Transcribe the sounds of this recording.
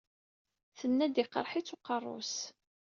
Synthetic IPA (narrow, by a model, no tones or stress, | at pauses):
θənːæd̪iqə̰ɾˤħit͡sːʊqərˤːʊ̰s